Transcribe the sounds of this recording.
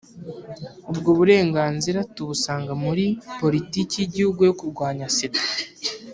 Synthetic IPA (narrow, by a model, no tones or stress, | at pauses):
ubɡoβuɾe̞ːŋɡaːnziɾatuβusaːŋɡamuɾipo̞ɾitiːcijiɟihuɡujokuɾɡwaːɲasetḁ